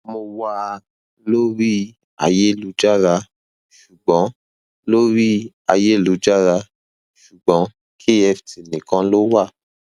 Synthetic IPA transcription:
mo˧wa˦˧ | lo˦ɾi˦ | a̰˧je˦˨lu˨˦d͡ʒa˦ɾa˧ | ʃu˨ɡ͡bɔ̃˨˦ | lo˦ɾi˦ | a˧je˦˨lu˨˦d͡ʒa˦ɾa˧ | ʃu˨ɡ͡bɔ̃˨˦ | kʰe˦ɛ˧˨fti˨nĩ˨kã˧˦lo˦wa˦˨

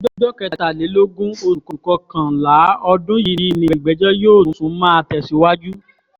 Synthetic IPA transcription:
dɔ˦dɔ˦kɛ˧a˨ta˨le˨˦lo˦ɡũ˦o˧ɾu˨kɔ˨kɔ˧kã˨la˨˦ɔ˧dũ˦ji˧ɾi˧˨mĩ˧˨ɡ͡bɛ˨˦d͡ʒɔ˦joː˦˨˦sũ˨˦mã˦a˧tɛ˧˨si˧wa˦d͡ʒu˦

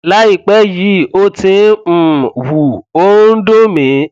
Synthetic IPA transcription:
la˨˦i˦˨k͡pɛ˦ji˨˦˨o˧tĩ˧m̩˨wu˨o˦n̩˦do˦mĩ˨˦

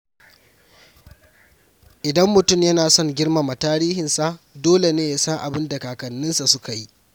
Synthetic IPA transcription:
ʔɪ˨dɐ˦mːʊ˨tʊ˦mjɐ˦naː˨sɔ˦ŋɡʲɪ˦ɽma˨ma˨taː˦ɾiː˦hɪ˨nsa˦˨ʔdoː˦le˨neː˦ja˦sɐ˦ŋʔa˨bɪ˦nda˨kaː˨kɐ˨nːɪ˦nsa˨sʊ˦ka˨ji˦ʔ

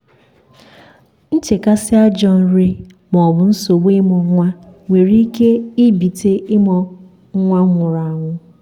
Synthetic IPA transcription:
n̩˦t͡ʃe˨ka˦sɪ˦a˦d͡ʒɔ˦n̩˨ɾi˦ | mɔ˨bʊ˨n̩˦so˨ɡ͡be˦mɔ˨˦ŋʷa˦ŋʷe˨ɾi˦ke˦i˦bi˨te˦ɪ˦mɔ˨ | ŋ̩˦ŋʷa˦ŋʷʊ˨ɾa˨a˨ŋʷʊ˦

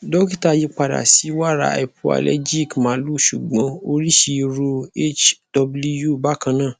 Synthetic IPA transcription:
dɔ˦ki˦ta˧ji˧k͡pa˨da̰˨si˨˦wa˦˨ɾa̰˨ɛ̰˧˨pʰu˦a̰˧lɛ̰˦d͡ʒi˦˨kmãː˨˦lu˦˨ʃu˨ɡ͡bɔ̃˨˧˦o˦ɾi˦ʃi˧ɾu˧e˦t͡ʃdɔ˧blu˧ju˦˨ba˦kã˧nãː˦˨

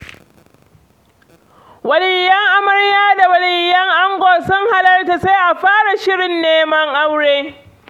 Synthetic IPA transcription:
wɐ˨lɪ˨jːɐ˦ŋʔa˦mɐ˦ɽjaː˦da˨wɐ˨lɪ˨jːɐ˦ŋʔa˦ŋɡʷoː˨sʊ˦ŋha˨lɐ˦rta˨se˦ʔa˨ɸaː˦ɽa˨ʃɪ˦ɽɪ˨nːeː˦mɐ˦ŋʔa˦wɽeː˦

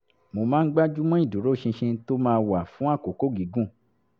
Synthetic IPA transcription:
mo˧mãː˦˧n̩˦ɡ͡ba˦d͡ʒu˦mɔ̃˦i˦˨du˨˦ɾo˦˨ʃĩ˧ʃĩ˧to˦mãː˦˧wa˨fũ˨˦a˦˨ko˨˦ko˦ɡi˨˦ɡũ˦˨

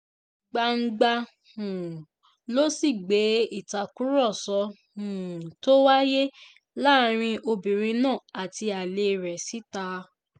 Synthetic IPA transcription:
ɡ͡ba˧ŋ̩˦ɡ͡ba˧ | hũ˨ | lo˦si˦˨ɡ͡be˨˦i˦˨ta˨kũ˨˦ɾɔ˦˨sɔ˨˧ | hũ˨to˦wa˦je˦ | la˦˨˦ɾ̃ĩ˧ʔo˧bĩ˨ɾ̃ĩ˧nãː˦˨a˨ti˧a˨le˧˨ɾɛ˨si˨˦ta˧

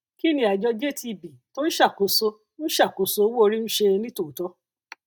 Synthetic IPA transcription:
ki˦nĩ˧˦a˨d͡ʒɔ˧d͡ʒe˦ti˧˨bi˨to˦n̩˦ʃa˦˨ko˨so˧ | ñ̩˦ʃa˦˨ko˨so˧˦wo˦o˧ɾi˦ñ̩˦ʃe˧nĩ˦to˦˨tɔ˧˦

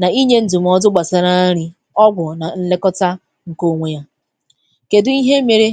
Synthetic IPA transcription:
na˨i˦ɲe˦n̩˦du˨m̩˨˦ɔ˦dʊ˦ɡ͡ba˨sa˨ɾa˦ɾi˦ | ɔ˦ɡʷʊ˨na˨n̩˦le˦kɔ˦ta˦ | ŋ̩˨ko˦˨ŋʷe˦ja˦ | ke˨dʊ˦i˦ɦe˦mi˨ɾi˦

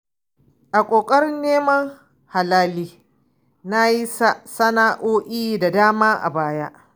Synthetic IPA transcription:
ʔa˨kʷʼoː˨kʼɐ˦ɾɪ˦nːeː˦mɐ˦ŋ | ha˨laː˦liː˦ | na˦ji˦sa˦ʔsɐ˦naː˦ʔoː˦ʔiː˦da˨daː˦maː˦ʔa̰˨baː˦ja˦ʔ

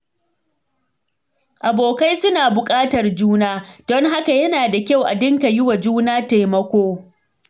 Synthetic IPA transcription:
ʔa˨boː˨ka˦jsʊ˦naː˨bʊ˨kʼaː˦tɐ˨rd͡ʒuː˦naː˦d̥ɔ˦ŋɦa˦ka˨jɐ˦naː˨da˨kʲa˦˨wʔa̰˨dɪ˦ŋka˨jɪ˦wa˨d͡ʒuː˦naː˦ta˨jmɐ˦kʷoː˦

